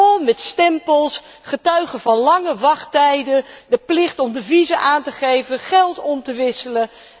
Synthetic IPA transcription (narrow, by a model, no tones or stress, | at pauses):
lˠmɛtstɛmpəlˠs | χətœɥχəvɑnlɑŋəʋɑχtɛjdədəplɪχtɔmdəvizəʔaːntəχejvənχɛlˠtɔmtəʋɪsələ